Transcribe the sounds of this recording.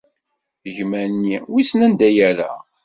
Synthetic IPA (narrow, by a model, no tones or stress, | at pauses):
ðəʝmænːiwisnænd̪æjæɾæ̰